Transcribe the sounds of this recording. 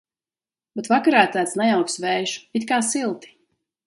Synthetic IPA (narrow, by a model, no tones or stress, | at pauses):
bet̪vakaɾaːt̪ːæːt̪snajawksvɛjʃu̥it̪kaːsilˠt̪i̥